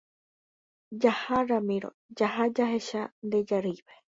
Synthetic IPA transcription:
d͡ʒahaɾamiɾo̰d͡ʒaɦad͡ʒaɦeʃand̪ed͡ʒaɾɨβe

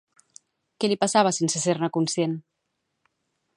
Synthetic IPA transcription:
kɛlipasaβ̞əsensəseɾnəkunsjen

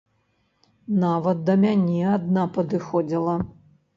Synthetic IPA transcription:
navɐt̪̚ːɐmʲanʲɛad̪napɐd̪ɨxɔd͡zʲilˠɐ

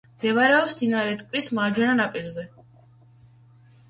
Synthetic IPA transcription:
md̪̥ɛvaɾɛɔpsd̪inaɾɛt̪ʼkʼvwismaɾd͡ʒwɛnanapʼiɾzɛ

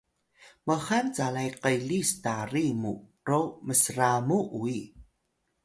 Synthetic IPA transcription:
məxant͡salajqəjlistarimṵ | roməsramuʔui

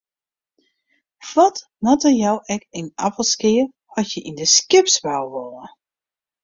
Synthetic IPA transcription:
ʋɔt | nɔtəjɔwɛkina̰pəlˠskɪə | ɔsjəʔindəskɪpsʋawʋɔlˠə

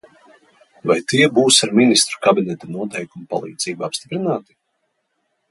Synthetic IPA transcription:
vajt̪iɛbuːsaɾminist̪ɾu̥kabinɛt̪anuɔt̪ɛjkumupa̰lˠḭːd̪z̥iːbaapst̪ipɾinaːt̪i̥

